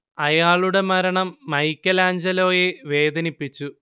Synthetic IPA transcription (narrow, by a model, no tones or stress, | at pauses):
ɐjaːɭuɽe̞mɐɾɐɳɐmːɐjkʲːɐlaːɲd͡ʑɐlo̞ːjeʋe̞ːd̪ɐnipːit͡ɕːu